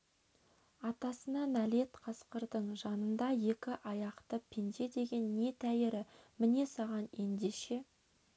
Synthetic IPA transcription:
ɑt̪ɑsənɑnælet̪qʰɑsqəɾd̪əɴʒɑnənd̪ɑje̞kʲɪʔɑjɑqt̪əpʰend̪e̞d̪e̞ɡʲe̞nːe̞t̪ʰæjɪɾɪmɪne̞sɑʁɑne̞nd̪eʃe̞

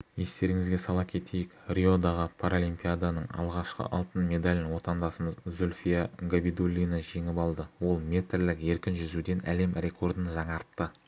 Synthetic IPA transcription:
je̞st̪e̞ɾɪŋɪzɡʲe̞sɑlˠɑpkʲʰe̞t̪ʰe̞jɪkrʲio̞d̪ɑʁəpʰoɾolʲijmpʲijad̪anəɴɑ̰lˠʁɑʃqə̰ʔɑlˠt̪ənmʲe̞d̪alʲnwo̞t̪ɑnd̪ɑsəməzzolʲfʲijaɡabid̪olʲːijnɑʒe̞ŋɪpɑlˠd̪əwo̞lˠmʲe̞t̪rlɪke̞ɾkʲɪnʒʏzud̪e̞nʔæ̰le̞mrʲe̞kʰo̞rd̪ənʒɑɴɑɾt̪ːə

